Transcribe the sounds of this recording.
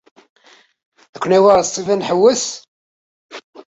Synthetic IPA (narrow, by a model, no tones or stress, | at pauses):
ækʷːnæwaɾsˤt̪ˤːivænħəwːəs